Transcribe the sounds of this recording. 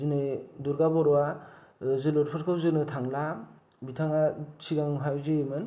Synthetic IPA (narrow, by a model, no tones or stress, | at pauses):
zɯnɯduɾɡabɔɾɔwa | zɯlɔɾpʰɯɾkʰɯwzɯnɯtʰaŋla | bitʰaŋat͡ʃʰiɡaŋɦajzɯjmɯn